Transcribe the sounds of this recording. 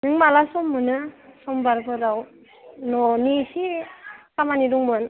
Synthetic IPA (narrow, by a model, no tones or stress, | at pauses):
nɯŋmalasɔmːɯnɯsɔmbaɾbɯdaw | nɔnisikamaniduŋmɯn